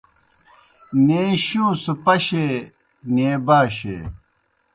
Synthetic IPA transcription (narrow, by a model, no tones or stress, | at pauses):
neːɕũːsupɐɕeː | neːbaːɕḛː